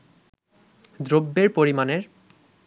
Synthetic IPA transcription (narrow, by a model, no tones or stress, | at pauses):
d̪ɾobːeɾpoɾimaneɾ